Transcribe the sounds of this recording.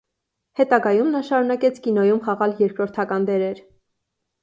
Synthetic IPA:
hɛt̪ɑɡɑjumnɑʃɑɾunɑkɛt͡sʰkinɔjumχɑʁɑljɛɾkɾɔɾt̪ʰɑkɑnd̪ɛɾɛɾ

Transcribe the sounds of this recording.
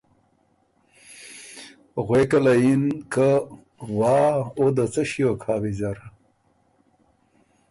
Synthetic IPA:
ɣwekəlajinkə | wɑːod̪ət͡səɕijokʰaːwizaɾ

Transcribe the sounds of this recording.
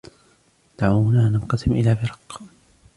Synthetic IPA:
d̪̥aʕuːʊnaːnanqɑsɪmʔɪlaːbɪɾˤɑːq

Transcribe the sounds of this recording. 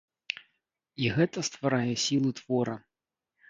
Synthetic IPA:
iɣɛt̪ɐst̪vaɾajɛsʲilˠut̪v̥ɔɾɐ

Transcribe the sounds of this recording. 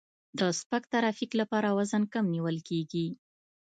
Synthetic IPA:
d̪əspakt̪aɾɑfiklapɑɾawazənkamniwəlkeɡi

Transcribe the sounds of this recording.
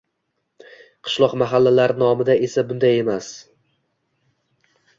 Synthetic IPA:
qʰɨ̥ʃlˠɒqmaɦalːalaɾnɒmɪd̪ae̞sabʊnd̪aje̞mas

